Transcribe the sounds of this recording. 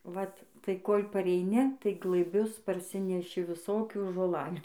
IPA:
ˈʋɐt tɐɪ ˈkoːlʲ pɐrʲɛɪˈnʲɪ tɐɪ ɡlˠɘˈbʲʊs pɐrʲˈsʲɪnʲɛʃʲɪ ʋʲɪˈsoːkʲuː ʒoːˈlˠɑːlʲuː

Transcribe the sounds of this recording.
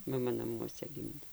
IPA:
mɐˈmɐ nɐˈmuɔsʲɛ ˈɡʲɪmʲdʲeː

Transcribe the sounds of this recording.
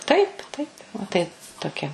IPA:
ˈtɐɪp ˈtɐɪp ʋɐ tɐɪ toːˈkʲɛ

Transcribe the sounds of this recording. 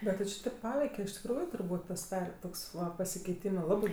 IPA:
ˈbʲɛt tʲɪ t͡ʃʲɪ ˈtʲeːp ˈpɑːʋʲɛɪkʲɛ ɪʃ tʲɪkˈruːjʊ tʊrˈbuːtʲ pɐsʲɪˈdɑːrʲɛ ˈtoːks ˈʋɐ pɐsʲɪkʲɛɪˈtʲiːmɜ ˈlˠɑːbɜ

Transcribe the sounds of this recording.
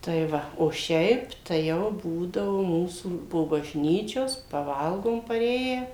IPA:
tɐɪ ˈʋɐ oː ˈʃʲɛɪp tɐɪ ˈjɛʊ ˈbuːdɐʋʊ ˈmuːsuː poː bɐʒʲˈnʲiːt͡ʃʲoːs pɐˈʋɐlˠɡoːm pɐˈrʲeːjæː

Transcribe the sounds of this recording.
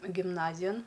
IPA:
ɡʲɪmˈnɑːzʲɪjɛn

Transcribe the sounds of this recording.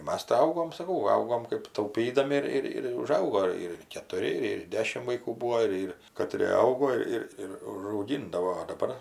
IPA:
ˈmɐs tɐɪ ˈɐʊɡoːm sɐˈkɐʊ ˈɐʊɡoːm kɜp tɐʊˈpʲiːdɐmʲɪ ɪr ɪr ˈɪr ʊˈʒɐʊɡoː ɪr kʲɛtʊˈrʲɪ ɪr ɪr ˈdʲæːʃʲɪm ʋɐɪˈkuː ˈbuːoː ˈɪr ɪr kɐˈtʲrʲeː ˈɐʊɡoː ˈɪr ɪr ʊʒɐʊˈɡʲɪndɐʋoː oː dɐˈbɐr

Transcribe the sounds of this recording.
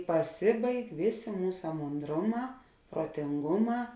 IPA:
pɐˈsʲɪbɐɪk ˈʋʲeːˌsʲeː ˈmuːsɐ moːnˈdroːˌmɑː proːtʲɪŋˈɡʊˌmɑː

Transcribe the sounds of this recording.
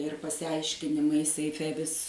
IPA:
ɪr pɐsʲɪˈɐɪʃʲkʲɪnʲɪmɐɪ sʲɛɪˈfʲɛ ʋʲɪs

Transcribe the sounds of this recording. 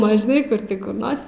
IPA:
ˈmɐn ʒʲɪˈnɐɪ ˈkʊr tʲɪ kʊr ˈnoːrs

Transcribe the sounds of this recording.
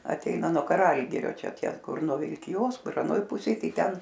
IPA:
ɐˈtʲɛɪnɐ nuɔ kɐˈrɐlʲɡʲɪrʲoː ˈt͡ʃʲɛ ˈtʲiɛ ˈkʊr nuɔ ʋʲɪlʲkʲɪˈjoːs ˈkʊr ɐˈnoːj ˈpʊsʲeːj ˈtɐɪ ˈtʲɛn

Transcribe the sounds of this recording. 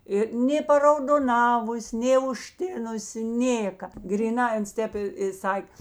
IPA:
ˈɪ nʲeː pɐrɐʊdoːˈnɑːʋʊsʲ nʲeː ʊʃʲˈtʲɪnʊsʲɪ ˈnʲeːkɐ ɡrʲiːˈnɐɪ ˈɐns ˈtʲeːp ɪ ɪ ˈsɐkʲ

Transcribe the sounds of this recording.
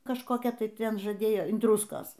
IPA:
kɐʃkoːˈkʲɛ ˈtɐɪ ˈtʲɛn ʒɐˈdʲeːjoː ɪn ˈdrʊskoːs

